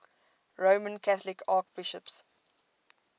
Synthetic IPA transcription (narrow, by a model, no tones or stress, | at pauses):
ɹoːmə̃nkʰæθəlɪkʰɑːkb̥ɪʃəps